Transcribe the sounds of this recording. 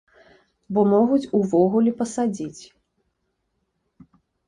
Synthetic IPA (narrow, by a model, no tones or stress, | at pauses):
bɔmɔɣut͡sʲuvɔɣulʲipɐsad͡zʲit͡sʲ